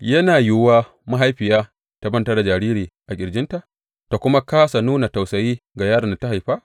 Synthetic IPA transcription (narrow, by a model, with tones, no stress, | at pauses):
jɐ˦naː˨jʊ˦waː˦ | ma˦ɦa˦jɸɪ˨jaː˦ | ta˨bɐ˦ntɐ˦rda˨d͡ʒaː˨ɾiː˦ɾiː˨ʔa˨kʲʼɪ˨ɽd͡ʒɪ˦nta˨ʔ | ta˨kʷʊ˦ma˦kaː˦sa˨nuː˦na˨ta˨wsɐ˨jiː˦ɡa˨jaː˦ɽɐ˨nda˨˦ta˦ɦa˨jɸaː˦